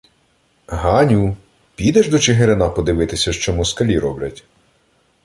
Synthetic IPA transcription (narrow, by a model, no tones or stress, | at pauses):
ɦɑnʲu | pʲid̪ɛʒd̪ɔt͡ʃeɦeɾenɑpɔd̪ɪʋɪt̪ɪsʲɐʃt͡ʃɔmɔskɐlʲiɾɔblʲɐ̰tʲ